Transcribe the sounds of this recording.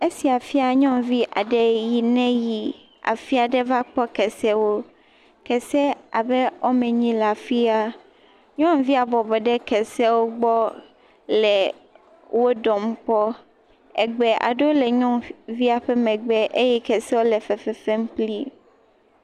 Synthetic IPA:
e˦si˨a˨fi˦a˨ɲɔ̃˦mvi˦ʔa̰˨ɖɛ˨ji˨nɛ̃˦ji˨ | a̰˨fi˦a˨ɖɛ˦va˦k͡pɔ˦kɛ˨sɛ˦wo˦ | kɛ˨sɛ˦a˨bɛ˦o˦mɛ̃˨ɲĩ˦la˨fi˦a˦ | ɲɔ̃˦mvi˦a˨bɔ˨bɔ˨ɖɛ˦kɛ˨sɛ˦wo˦ɡ͡bɔ˦ | lɛ˨ | wo˦ɖɔ˨m˦k͡pɔ˦ | ɛ̰˨ɡ͡bɛ˨ʔa̰˨ɖo˦lɛ˨ɲɔ̃˦vi˦a˨ɸɛ˦mɛ̃˨ɡ͡bɛ˨ʔe˦jɛ˦kɛ˨sɛ˦wo˦lɛ˨fɛ˨fɛ˨fɛ˦m˦k͡pli˦

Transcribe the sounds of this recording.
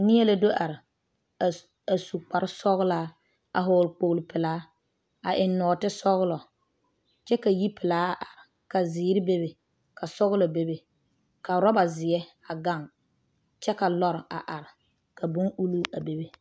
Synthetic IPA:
nɪ˦ɛ˦la˦do˦ʔa˨ɾɪ˨ | a˨su˨k͡pa˨ɾɪ˦sɔ˦ɣlaː˦ | a̰˨ɦʊː˨lk͡po˨ɣlɪ˨pɪ˨laː˨˦ | a˨ʔɪ˨nː˦ɔː˨tɪ˦sɔ˦ɣʊ˦lɔ˨ | t͡ʃɛ˦ka˨ji˦pʰɪ˨laː˦a˦˨ʔa˨ɾɪ˨ | ka˨zɪː˨˦ɾɪ˦be˦be˨ | ka˨sɔ˦ɣʊ˦lɔ˨be˦be˨ | ka˨ɾɔ˦ba˨zɪ˨ɛ˦ | a˨ɡa˦˨ŋ | t͡ʃɛ˦ka˨lɔ˦ɾɪ˨a˨ʔa˨ɾɪ˨ | ka˨bʊ˦ŋʔu˦lu˦a˨be˨be˦

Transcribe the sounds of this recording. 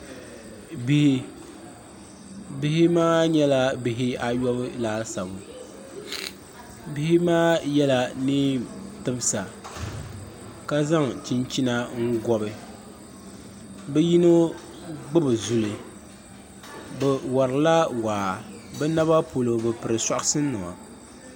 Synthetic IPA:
bi˦hi˦ | bɪ˦hɪ˦maː˦ɲɛ˦la˦bi˨ɦɪ˦a˨jɔ˦bɨ˦laː˦lsa˨bʊ˨ | bi˦hɪ˦maː˦jɛ˦la˨nɨ˦tɨ˦bsa˨ | ka˦za˦ŋt͡ʃi˦nt͡ʃi˦na˦ŋ̩˦ɡɔ˦bɨ˨ | bɛ˦ji˦no˦ | ɡ͡bɨ˦bɨ˨zu˨lɨ˨ | bɛ˨wa˨ɾɨ˨la˦waː˨ | bɛ˦na˦βa˦po˨lo˨bɨ˨pɨ˨ɾɨ˨sa˨ʔɨ˦sɨ˦nːɨ˨wa̰˨

